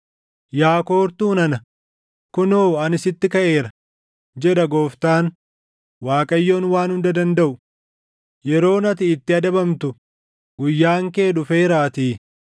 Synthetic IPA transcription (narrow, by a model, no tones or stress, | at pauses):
jaːko̞ːɾt̪uːnɐnɐ | kʊnoːɐnɪsɪt̪ːɪkɐʔe̞ːɾɐ | d͡ʒɛᶑɐɡo̞ːft̪aːn | waːkʼɐjːo̞ːnwaːnhʊnd̪ɐd̪ɐnd̪ɐʔʊ | jɛɾo̞ːnɐt̪ɪːt̪ːɪɐd̪ɐbɐmt̪ʊ | ɡʊjːaːŋke̞ːᶑʊfeːɾaːt̪iː